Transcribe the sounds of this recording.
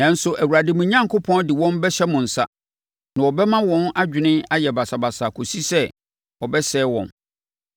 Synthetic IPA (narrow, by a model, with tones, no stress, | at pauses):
nã˨n̩˦sʊ˦ʔæ˨wu˨ɾa˨dɪ˨mʊ̃˨ɲã˦ŋkʰʊ˦pʰɔ̃˦n˦dɪ˨wɔ̃˦nbɛ˦ɕɛ˦mʊ̃˨n̩˨sa̰˦ | nã˨ɔ˨bɛ˦mã˦wɔ̃˦na˦d͡ʑᶣɪ˨nɪ̃˦a˦jɛ˨ba˨sa˨ba˨sa˨kʰo˨si˦sɛ˦ | ɔ˨bɛ˦sɛː˦wɔ̰̃˨n